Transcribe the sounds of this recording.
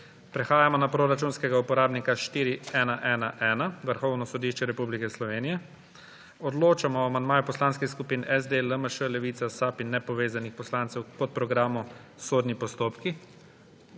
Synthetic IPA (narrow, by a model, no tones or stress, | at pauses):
pɾɛxaːjamɔnapɾoɾat͡ʃuːnskɛɡaupɔɾaːbnikaʃt̪iːɾiɛːnaʔɛːnaʔɛːnaʋəɾxɔwnɔsɔd̪iʃt͡ʃɛɾɛpublikɛslɔʋeːnijɛ | ɔd̪loːt͡ʃamɔamand̪maːjupɔslaːnskixskupiːnɛzd̪eləməʃəlɛʋiːt̪sasaːpinːɛpɔʋeːzanixpɔslaːnt̪sɛwkɔt̪̚pɾɔɡɾaːmusoːd̪nipɔst̪oːpki